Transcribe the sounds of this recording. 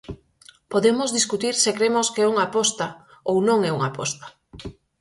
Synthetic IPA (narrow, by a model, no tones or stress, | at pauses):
poðemozðiskut̪iɾsekɾemoskɛuŋapɔst̪aownõŋɛuŋapɔ̰st̪ḁ